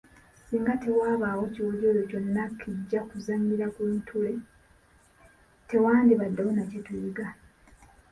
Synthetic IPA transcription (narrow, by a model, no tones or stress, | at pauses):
siːŋɡate̞waːβawo̞ciwoɟo̞ɾoco̞nːakʰːiɟːakuzaɲɡiɾakuntʰule̞ | te̞waːndiβadːawonacetujiɡa